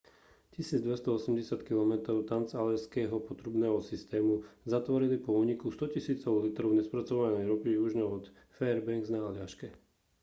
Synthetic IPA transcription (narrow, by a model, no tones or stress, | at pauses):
cisiːd͡zd̪ʋɛst̪ɔɔsɛmɟɛsat̪kilɔmɛt̪ɾɔʊt̪ant͡salɛskɛːɦɔpɔt̪ɾubnɛːɦɔsist̪ɛːmuzat̪ʋɔɾilipɔuːɲikust̪ɔcisiːt͡sɔʊlit̪ɾɔʊɲɛspɾat͡sɔʋanɛjɾɔpiiuʒɲɛɔt̪ | fɛːɾbɛŋɡznaːlɪaʃkɛ